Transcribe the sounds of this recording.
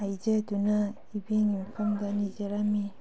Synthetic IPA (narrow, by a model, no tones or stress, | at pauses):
aid͡ʒeduna | ibiŋimpʰamdanid͡ʒeɾami